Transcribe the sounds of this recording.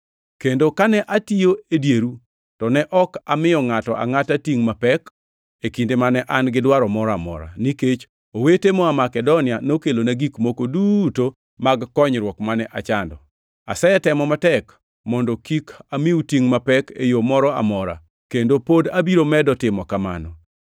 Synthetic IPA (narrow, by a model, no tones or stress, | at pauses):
kendokanɛʔatijoedjeɾu | tɔnɛʔɔka̰mɪjɔŋatɔʔa̰ŋatatiŋmapɛk | ekindemanɛʔanɡɪdwaɾɔmɔɾɔamɔ̰ɾa̰niket͡ʃ | owetemɔamakɛdɔnɪanokelonaɡikmokoduto | maɡːɔɲɾwɔkmanɛʔat͡ʃandɔ | a̰sɛɛtɛmɔmatɛk | mɔndɔkikamiutiŋmapɛkḛjomɔɾɔa̰mɔɾa̰ | kendopodabiɾomɛdɔtɪmɔkama̰nɔ